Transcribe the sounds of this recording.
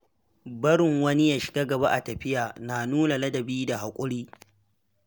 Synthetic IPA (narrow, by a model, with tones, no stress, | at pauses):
bɐ˦ɽɪ˨ŋwɐ˦ni˦jaː˨ʃɪ̥˨ɡa˦ɡɐ˨ba˦ʔa˨tɐ˨ɸɪ˦jaː˨naː˨nuː˦na˨lɐ˦dɐ˨biː˦da˨ɦa˨kʷʼʊ˦ɽiː˦